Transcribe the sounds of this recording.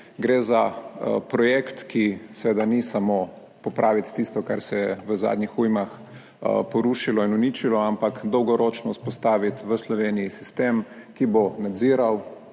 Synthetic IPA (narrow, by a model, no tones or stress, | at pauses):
ɡɾeːzapɾɔjekt̪kisɛʋeːd̪anisamo | pɔpɾaːʋit̪ːist̪ɔkaɾsɛɛʋəza̰d̪ɲixujmax | pɔɾuʃilɔinunit͡ʃilɔampakd̪ɔwɡɔɾɔt͡ʃnɔuspɔst̪aːʋit̪ʋəslɔʋeːnijisist̪eːmkibonad̪ziːɾaw